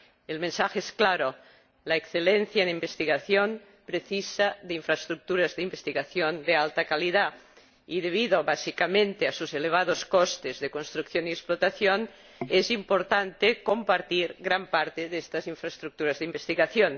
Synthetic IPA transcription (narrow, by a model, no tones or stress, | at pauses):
elmensaxeesklaɾo | laekθelenθjaenimbest̪iɣaθjon | pɾeθisaðeiɱfɾaest̪ɾuk̚t̪uɾazðeimbest̪iɣaθjond̪ealt̪akaliða | iðeβ̞iðoβasikamẽnt̪easuzeleβ̞að̞oskost̪ezðekonst̪ɾukθjoniesplot̪aθjon | ezimpoɾt̪ant̪ekompaɾt̪iɾɣɾampaɾt̪eðest̪aziɱfɾast̪ɾuk̚t̪uɾazðeimbest̪iɣaθjon